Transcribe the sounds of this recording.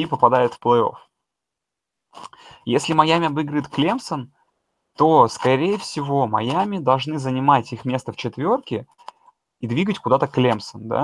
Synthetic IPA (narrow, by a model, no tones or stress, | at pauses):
ipəpɐd̪ajɪt̪fplˠɨo̞̰f | jesʲlʲɪmɐjæmʲɪɐbɨɡɾəɪt̪klʲemsən | t̪o̞skɐɾʲejəfsʲɪvo̞mɐjamʲɪd̪ɐlˠʐnɨzənʲɪmatʲixmʲe̞st̪əft͡ɕɪt̪vʲo̞rkʲɪ | id̪vʲiɡətʲkʊd̪at̪əklʲemsənd̪a̰